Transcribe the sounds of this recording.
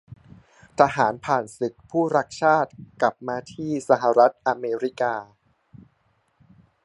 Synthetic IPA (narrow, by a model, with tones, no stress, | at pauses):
t̪ʰa˧ɦaː˩˦npʰaː˨˩nsi˨˩t̪̚pʰuː˥˩ɾa˦˥k̚t͡ɕʰaː˥˩t̪̚kla˨˩p̚maː˧t̪ʰiː˥˩sa˧ɦa˨˩ɾa˦˥t̪̚ʔa˧meː˧ɾi˦˥kaː˧